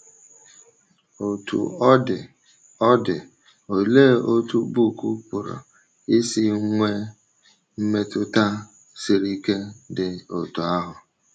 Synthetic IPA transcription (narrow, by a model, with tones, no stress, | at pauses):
o˨tṵ˨ɔ˦dɪ˨ | ɔ˦dɪ˨ | o˨le˦˨o˦tu˦bu˦˨ku˦pʊ˨ɾɔ̰˨ | ɪ˦sɪ˦ŋʷe˦ | m̩˦me˦tʊ˦ta˦ | sɪ˨ɾi˦ke˦dɪ˨o̰˨tu˨a˦ɦʊ˨